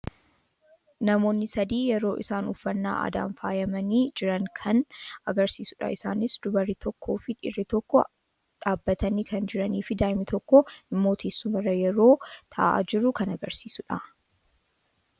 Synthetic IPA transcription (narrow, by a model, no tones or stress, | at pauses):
nɐmo̞ːnːɪsɐd̪iːjɛɾo̞ːʔɪsaːnʊfːɐnːa̰ːʔɐ̰d̪a̰ːnfaːjɐmɐniːd͡ʒɪɾɐŋkʰɐnɐɡɐɾsiːsʊᶑɐ̰ʔɪsaːnɪsd̪ʊbɐrːɪt̪ʰɔkʰːo̞ːfɪᶑɪ̰rːɪt̪ɔkːɔ | ᶑaːbːɐt̪ɐniːkɐnd͡ʒɪɾɐniːfɪd̪aːjmɪt̪ɔkːɔɪmːo̞ːt̪ʰeːsːʊmɐrːɐjɛɾo̞ːt̪ʰɐ̰ʔa̰ːd͡ʒɪɾʊkɐnɐɡɐɾsiːsʊᶑɐ